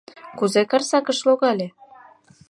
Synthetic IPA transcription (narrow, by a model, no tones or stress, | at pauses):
kuzekɑrsɑkə̆ʃloɣɑlʲe